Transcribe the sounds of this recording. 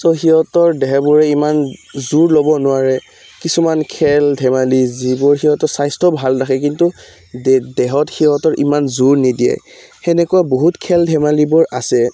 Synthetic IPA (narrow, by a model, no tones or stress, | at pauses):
sɔxiɦɔtɔɹdɛɦɛbʊɹɛimanzuɹlobɔnʊaɹɛ | kisumankʰɛldʱɛmalizibʊɹxiɦɔtɔsajstʰɔbʱalnaxɛk̬intu | dɛɦɔtxiɦɔtɔɹʔimanzuɹnidijɛ̰ | xɛnɛkuaboɦutkʰɛldʱɛmalibʊɹasɛ